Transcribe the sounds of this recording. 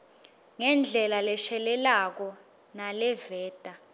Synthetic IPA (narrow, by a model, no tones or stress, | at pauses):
ŋɛnd͡ɮʱɛlalɛʃɛlɛlak̬ɔ | nalɛvɛːd̥ʼa